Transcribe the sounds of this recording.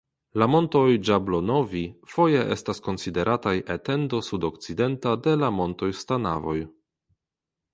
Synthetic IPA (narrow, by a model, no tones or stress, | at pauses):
lamo̞nto̞jd͡ʒablo̞no̞vifo̞je̞ʔḛstasko̞nside̞ɾʔatajʔete̞ndo̞sudo̞kt͡side̞ntade̞lamo̞nto̞jstana̰vo̞̰j